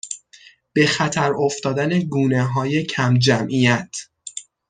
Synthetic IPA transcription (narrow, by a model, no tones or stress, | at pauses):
b̥e̞xæt̪ʰæɾoft̪ɒːd̪æne̞ɡuːneɦɒːje̞cʰæmd͡ʒæmʔijæt̪ʰ